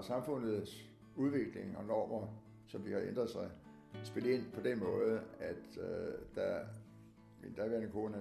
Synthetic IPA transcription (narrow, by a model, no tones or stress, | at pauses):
sɑ̈mfɔ̽n̰ð̩ˠs | uð̞ˠʋe̝ɡ̥le̝ŋɒ̽nɒ̰ːmɐ | sɒ̽md̥ihɑ̈ʔend̥ʁɐðˠsɑ̈ɪ | sb̥e̝ləe̝n̰pʰɒ̽d̥enmɔ̽ːð̞̩ˠæd̥d̥æ | id̥æʋeæɐenkʰo̝ːnə